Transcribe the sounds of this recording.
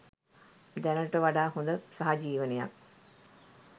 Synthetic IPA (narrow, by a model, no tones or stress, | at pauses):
d̪ɛnəʈəʋaɖaːɦund̪əsaɦad͡ʒiːʋəneja̰k̚